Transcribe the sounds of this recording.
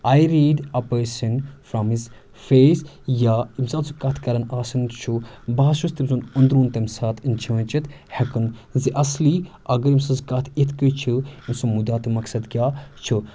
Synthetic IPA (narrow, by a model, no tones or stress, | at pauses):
aːjɾiːɖɐpəːsɐnfɾamiz | feːs | jaːimzaːt̪zukɐt̪ʰkɐɾɐnaːsɨnt͡ʃʰubaːʃust̪ibzunund̪ɾuːnt̪ɐmsaːt̪ʰɨnt͡ʃʰiə̃nt͡ʃit̪ | hɐkɨnziʔɐsli | ɐɡɐɾimsɐzkɐt̪ʰit̪ʰkət͡ʃʰɨimsumud̪aːt̪ɨmɐksɐd̪ɡʲjaːt͡ʃʰɨ